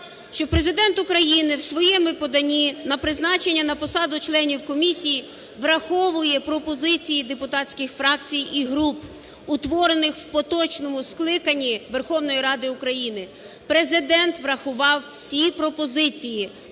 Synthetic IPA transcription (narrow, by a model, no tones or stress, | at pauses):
ʃt͡ʃɔpɾe̞zɪd̪ɛnt̪ʊkɾɐjinɪwsʋɔjɛmɪpɔd̪ɐnʲinɐpɾɪznɑt͡ʃenʲːɐnɐpɔsɑd̪ʊt͡ʃlˠɛnʲiwkɔmʲisʲiji | ʋɾɐxɔʋʊjɛpɾɔpɔzɪt͡sʲijid̪epʊt̪ɑsʲkʲɪxfɾɑk̚t͡sʲijiɦɾup | ʊt̪ʋɔɾenɪxwpɔt̪ɔt͡ʃnɔmʊsklˠɪkɐnʲːiʋerxɔwnɔjiɾɑd̪ɪʊkɾɐjinɪ | pɾezɪd̪ɛnt̪ʋɾɐxʊʋɑwsʲipɾɔpɔzɪt͡sʲiji